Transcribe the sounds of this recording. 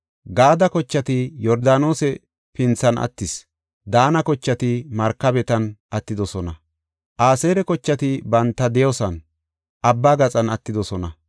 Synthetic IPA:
ɡaːd̪ɐkɔt͡ʃːɐt̪ɪjɔɾd̪aːno̞ːsɛ | pɪnt͡sːɐnʔɐ̰t̪ːɪs | d̪aːnɐkɔt͡ʃːɐt̪ɪmɐɾkːɐbɛt̪ɐnʔɐt̪ːɪd̪ɔsɔnɐ | ʔaːseːɾɛkɔt͡ʃːɐt̪ɪbɐnt̪ːɐd̪ɛjɔsɐn | ʔɐbːaːɡɐt͡sʼɐnɐt̪ːɪd̪ɔsɔnɐ

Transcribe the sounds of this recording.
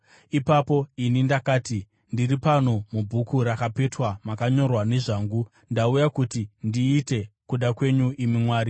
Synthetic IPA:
ipapo̞inindakaːti | ndiripano̞mubʱukuɾakape̞twamakaɲo̞rwane̞ʐaːŋɡu | ndaujakutindiːte̞kuɗakwe̞ɲuʔimimwaːɾi

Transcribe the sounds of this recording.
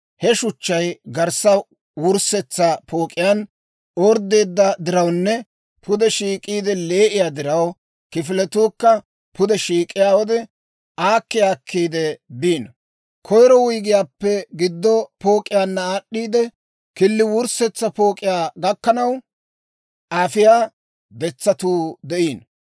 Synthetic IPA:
hɛʃʊt͡ʃːɐjɡɐɾsɐ | wʊɾsɛt͡sːɐpʰo̞ːkʼːɪjaːn | oːɾd̪e̞ːd̪ːɐd̪ɪɾɐwnːɛ | pʊd̪ɛʃiːkʼiːd̪ɛle̞ːʔɪjaːd̪ɪɾɐw | kɪfɪlɛt̪uːkːɐ | pʰʊd̪ɛʃiːkʼɪjaːwɔd̪ɛ | ʔaːkːɪjaːkːiːd̪ɛbiːn | kʰɔjɾɔwʊjɡɪjaːpːɛɡɪd̪ːɔpo̞ːkʼːɪjaːnːɐaːɗːiːd̪ɛ | kɪlːɪwʊɾsɛt͡sːɐpo̞ːkʼːɪjaːɡɐkːɐnɐw | ʔaːfɪjaː | bɛt͡sːɐt̪uːd̪ɛʔiːn

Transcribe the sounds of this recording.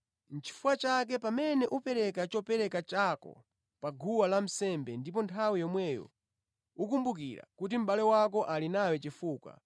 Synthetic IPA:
n̩t͡ʃi̥fuwat͡ʃak̬ɛpamɛnɛʔupɛɾɛkat͡ʃɔpɛɾɛkat͡ʃakɔ̰ | paɡʱuwalam̩sɛmbɛndip̬ɔntʰawijɔmwɛjɔ̰ | ukumbukiɾa̰kut̬im̩ɓalɛwak̬ɔʔalinawɛt͡ʃifuːkwa̰

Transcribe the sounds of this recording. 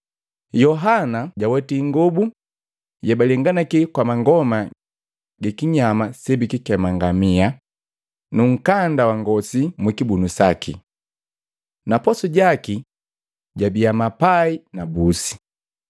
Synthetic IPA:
jɔɦanaɟawɛtiŋɡɔbu | jabalɛŋɡanakikwamaŋɡɔma | ɡɛkiɲamasɛbikikɛmaŋɡamia | nuŋ̩kandawaŋɡɔsimwikibunusakḭ | napɔsɔɟaki | ɟabiamapainabusi̥

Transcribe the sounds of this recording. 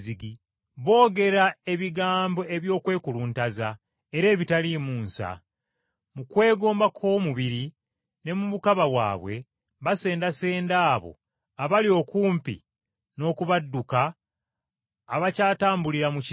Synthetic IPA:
ziɡi | βo̞ːɡe̞ɾae̞βiɡaːmbo̞e̞βjo̞ːkwe̞ːkuluːntaza | e̞ɾe̞ːβitalimuːnsa̰ | mukwe̞ːɡo̞ːmbakʰo̞ːmuβiɾi | ne̞mumukaβawa̰ːβwe̞ | βase̞ːndase̞ːndaːβo̞̰ | aβalio̞kuːmpḭ | no̞ːkuβadːuka | βacaːtaːmbuliɾamuci

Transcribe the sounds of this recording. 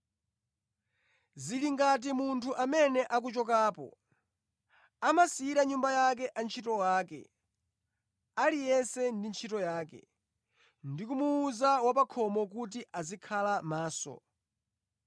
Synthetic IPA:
ziliŋɡat̬imuntʰuʔamɛnɛʔak̬ut͡ʃɔk̬aːpɔ̰ | amasiiɾaɲumbajak̬ɛʔant͡ʃʰitɔwaːkɛ̰ | alijɛsɛndint͡ʃʰitɔjaːkɛ̰ | ndikumuːzawapakʰɔmɔkut̬iʔazikʰalamaːsɔ̰

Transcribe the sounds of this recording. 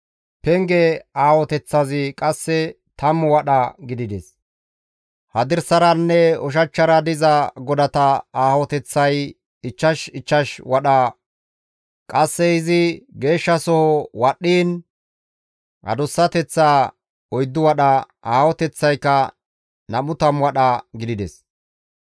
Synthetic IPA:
pɛŋɡɛaːwɔt̪ɛt͡sːɐzɪkʼɐsːɛ | t̪ɐmʊwɐɗɐɡɪd̪ɪd̪ɛs | hɐd̪ɪɾsɐɾɐnːɛɔʃ̬ɐt͡ʃːɐɾɐd̪ɪzɐɡɔd̪ɐt̪ɐaːwɔt̪ɛt͡sːɐj | ɪt͡ʃːɐʃɪt͡ʃːɐʃwɐɗaː | kʼɐsːɛɪzɪɡe̞ːʃːɐsɔhɔwɐɗːiːn | ʔɐ̰d̪ɔsːɐt̪ɛt͡sːaː | ɔjd̪ːʊwɐɗɐ | aːwɔt̪ɛt͡sːɐjkːɐ | nɐmʊt̪ɐmwɐɗɐɡɪd̪ɪd̪ɛs

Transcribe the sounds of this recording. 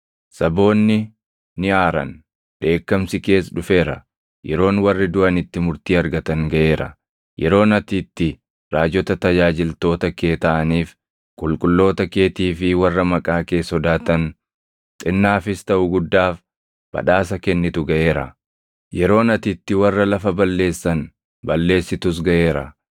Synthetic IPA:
sɐbo̞ːnːɪ | nɪʔaːɾɐ̰n | ᶑe̞ːkːɐmsɪke̞ːsᶑʊfe̞ːɾɐ | jɛɾo̞ːnwɐrːɪd̪ʊʔɐnɪt̪ːɪmʊɾt̪iːɐɾɡɐt̪ɐŋɡɐʔe̞ːɾɐ̰ | jʔɛɾo̞ːnɐt̪iːt̪ːɪ | ɾaːd͡ʒɔt̪ɐt̪ɐd͡ʒaːd͡ʒɪlt̪o̞ːt̪ɐkeːt̪ɐʔɐniːf | kʼʊlkʼʊlːo̞ːt̪ɐke̞ːt̪iːfɪwɐrːɐmɐkʼaːke̞ːshɔd̪aːt̪ɐn | t̪ʼɪnːaːfɪst̪ɐʔʊɡʊd̪ːaːf | b̥ɐ̰ᶑaːs̬ɐkɛnːɪt̪ʊɡɐʔe̞ːɾɐ̰ | jɛɾo̞ːnɐt̪ɪt̪ːɪwɐrːɐlɐfɐbɐlːe̞ːsːɐn | bɐlːe̞ːsːɪt̪ʊs̬ɡɐʔe̞ːɾɐ̰

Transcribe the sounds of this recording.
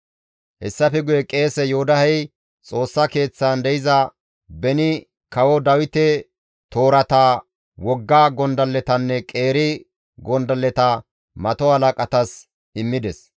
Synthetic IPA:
hɛsːɐfɛɡʊjɛkʼe̞ːsɛjɔhʊd̪ɐhɛj | t͡sʼo̞ːsːɐke̞ːt͡sːaːnd̪ɛjɪzɐ | bɛnɪ | kɐwɔd̪ɐwɪt̪ɛ | t̪o̞ːɾɐt̪aː | wɔɡːaːɡɔnd̪ɐlːɛt̪ɐnːɛkʼe̞ːɾɪ | ɡɔnd̪ɐlːɛt̪ɐ | mɐt̪ɔhɐlɐkʼɐt̪ɐs | ɪmːɪd̪ɛs

